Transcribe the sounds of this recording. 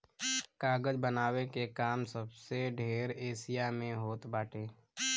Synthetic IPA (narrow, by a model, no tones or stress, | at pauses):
kaːɡəd͡ʒbənaːwekekaːmsəbseɖʱeːɾeːsijamẽɦoːt̪baːʈʰeː